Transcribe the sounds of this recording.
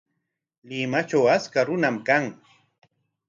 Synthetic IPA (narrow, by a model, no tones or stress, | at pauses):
lɪmat͡ʃawaskaɾʊnamkaŋ